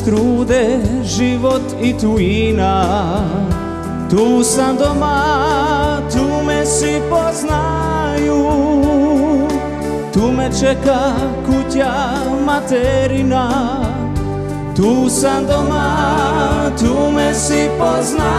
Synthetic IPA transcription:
t̪ɾuːd̪ɛʒiʋɔt̪it̪ujina | t̪uːsamd̪ɔma | t̪uːmɛsipɔzna | ju | t̪umɛt͡ʃɛkakuca | mat̪ɛɾina | t̪uːsad̪ɔma | t̪uːmɛsipɔzna

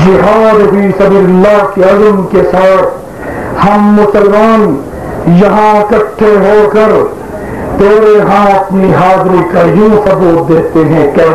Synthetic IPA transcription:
d͡ʒɪɦaːd̪ɦʊisɐbiːllːaːkeɐzmkesaːɾʰ | hɐmːʊsəlmaːn | jɐɦãkɐʈʰːeɦoːkɐɾ | t̪eːɾeɦãɐp̪niɦaːd̪ɾikajõːsɐbuːt̪̚d̪eːt̪eɦɛ̃kɛː

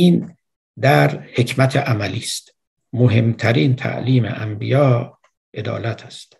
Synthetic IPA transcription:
iːn | d̪æɾhe̞cʰmæt̪ʰeʔæmæliːst̪ | moɦe̞mt̪ʰæɾiːnt̪ʰæ̰ʔliːmḛʔæmbijɒː | ʔe̞d̪ɒ̰ːlæt̪ʰæst̪

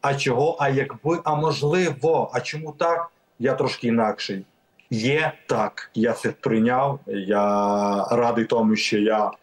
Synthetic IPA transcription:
ɐt͡ʃɔɦɔʔɐjɐɡbɪʔɐmɔʒlˠɪʋɔʔɐt͡ʃɔmut̪ɑk̚ | jat̪ɾɔʃkɪinɑkʃɛj | jɛt̪ɑkjat̪sɛpɾɪnʲawja | ɾɑd̪ɪjt̪ɔmʊʃt͡ʃɔja

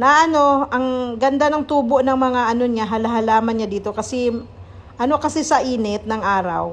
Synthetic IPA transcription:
nɐʔɐno̞ʔɐŋɡɐnd̪anɐŋt̪uːbo̞ʔnɐŋmɐŋaʔɐno̞ɲaɦɐlɐɦɐlaːmɐnɲad̪iːt̪o̞kɐsɛ | ʔɐno̞kɐsɛsɐʔiːnɛt̪̚nɐŋʔaːɾɐ̰w

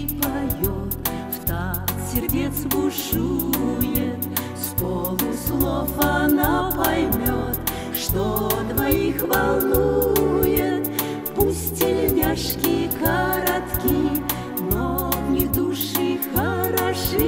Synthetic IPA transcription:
pajot̪ | ft̪asʲɪrdʲet̪sbʊʂujɪt̪ | skolˠɨslˠofɐnapɐjmʲot̪ | ʂt̪ot̪vɐjixvɐlˠnujɪt̪ | pusʲtʲɪlʲmʲaʂkʲɪkəɾat̪kʲi | nonʲɪvd̪uʂɨxəɾaʂɨ

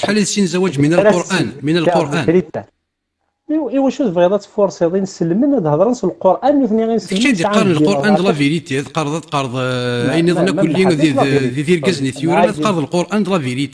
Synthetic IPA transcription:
ħaliθsinzæwæd͡ʒmənəloɾʔænmənəlqoɾˤʔæn | iwæʃud̪bɣid̪ˤɑt̪foɾˤsˤiðˤinsəlːmənæd̪hd̪ˤɾˤənsəlqoɾʔænmuθniɣinsæd̪iɑɾˤnəlqoɾʔænd̪ˤlæviɾit̪iæd̪qɑɾðˤæd̪qɑɾˤðˤæjniðˤnækʊlːi | iðilɡæzniθjuɾææd̪qɑɾˤðˤəlqoɾʔænd̪ˤlæviɾit̪i̥

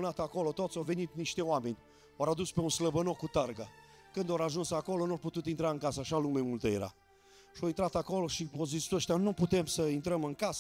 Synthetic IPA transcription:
nat̪ako̞lot̪ot̪sawve̞nit̪niʃt̪eoamenʲ | oɾad̪uspeunsləbənokːut̪arɡa | kɨnd̪oɾaʒunsako̞lonuowput̪ut̪int̪ɾaɨŋkasəaʃalumemult̪əjḛɾa̰ | ʃoint̪ɾat̪ako̞loʃiozisəʃt̪ʲanuput̪e̞msəint̪ɾəmɨŋkasə

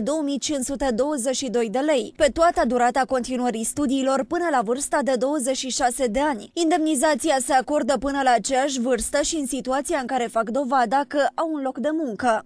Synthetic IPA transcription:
d̪o̞wəmijt͡ʃinsut̪e̞d̪o̞wəze̞ʃid̪o̞jd̪e̞le̞jpe̞t̪uat̪əd̪uɾat̪əako̞nt̪inuəɾist̪ud̪iːlo̞rpɨnəlavɨrst̪ad̪e̞d̪o̞wəze̞t͡ʃʃiʃase̞d̪e̞anʲind̪e̞mnizat̪siase̞ako̞rd̪əpɨnəlaːt͡ʃejaʃ̬ʲvɨrst̪əʃiɨnsit̪uat̪sijaɨŋkaɾe̞fakd̪o̞vad̪akəʔawunlo̞kd̪e̞muŋkə

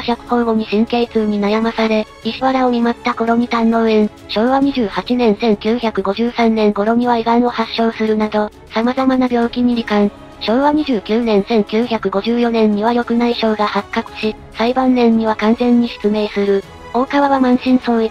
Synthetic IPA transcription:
çʲakɯ̟̥hõ̞ɡo̞ɲ̟iɕĩŋke̞ːt͡sɨːɲ̟inajamasaɾe̞ | iɕiβaɾaomʲimat̪ːako̞ɾo̞ɲ̟ʲit̪ãnːo̞ɯẽ̞ɰ | ɕo̞ːβaɲ̟iʑɨːhat͡ɕinẽ̞ɰ̃sẽ̞ŋkʲɨːçakɯ̟ɡo̞ʑɨːsãnːẽ̞ŋɡo̞ɾo̞mʲiβaiɡano̞haɕːo̞ːsɨɾɯ̟nad̪o̞ | samazamanabʲjo̞ːkʲiɲ̟iɾikãɰ̃ | ɕo̞ːβaɲ̟iʑɨːkʲɨːnẽ̞ɰ̃sẽ̞ŋkʲɨːçʲakɯ̟ɡo̞ʑɨːjo̞nẽ̞ɲ̟ːiβajo̞kɯ̟naiɕo̞ːɡahakːakɯ̟̥ɕi | saibãnːẽ̞ɲːiβakãñzẽ̞ɲ̟ːiɕɨ̥t͡sɨme̞ːsɨɾɯ̟ | o̞ːkaβaβamãɰ̃ɕĩɰ̃so̞ːi

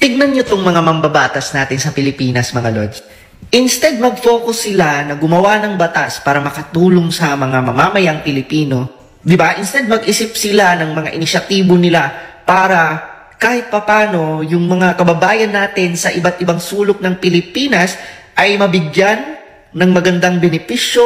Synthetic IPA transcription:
t̪ɪɡ̚nɐnɲot̪oŋmɐŋamɐmbɐbaːt̪ɐsnaːt̪ɪnsɐpɪlɪpiːnɐsmɐŋɐlo̰d͡ʒ̪ | ʔɪnst̪ɛd̪̚mɐɡ̚fo̞ːkʊsːɪlanɐɡʊmɐwanɐŋbɐt̪aspaːɾɐmɐkɐt̪uːloŋsɐmɐŋamɐmamɐjaŋpɪlɪpiːno̞ | d̪ɪbaʔɪnst̪ɛd̪̚mɐɡʔɪsɪp̚sɪlanɐŋmɐŋa̰ʔɪnɪʃɐt̪iːbo̞nɪlapaːɾɐ | kaːhɪt̪̚pɐpaːno̞jʊŋmɐŋakɐbɐbaːjɐnːaːt̪ɪnsɐʔɪbat̪̚ʔɪbaŋsuːlok̚nɐŋpɪlɪpiːnɐsʔɐjmɐbɪɡjanː | ɐŋmɐɡɐnd̪aŋbɛnɪpiʃjo

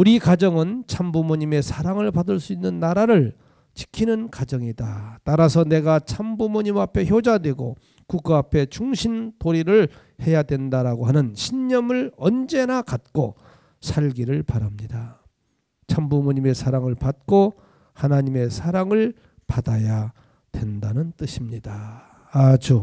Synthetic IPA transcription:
uɾikad͡ʑʌŋɯnt͡ɕʰambumoɲime̞sʰaɾaŋɯɭpadɯɭs͈uinːɯnːaɾaɾɯɭ | t͡ɕi̥kʰinɯnkad͡ʑʌŋidataɾasʰʌne̞ɡat͡ɕʰambumoɲimapʰe̞çjod͡ʑadwe̞ɡo̰ | kuk̚k͈aapʰe̞t͡ɕuŋɕʰintoɾiɾɯɭ | he̞jadwe̞ndaɾaɡoɦanɯnɕʰiɲːʌmɯɭʌnd͡ʑe̞nakat̚k͈o | sʰaɭɡiɾɯɭpaɾamɲida | t͡ɕʰambumoɲimesʰaɾaŋɯɭpat̚k͈o | hanaɲime̞sʰaɾaŋɯɭ | padaja | dwe̞ndanɯnt͈ɯɕʰimɲidaː | d͡ʑu

